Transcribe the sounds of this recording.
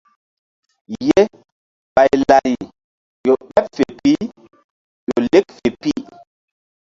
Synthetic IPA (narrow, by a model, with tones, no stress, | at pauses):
je˦ | ɓa˨jla˨ji˨ | jo˨ɗɛ˦pfe˨pi˦ | jo˨le˦k̚fe˨pi˦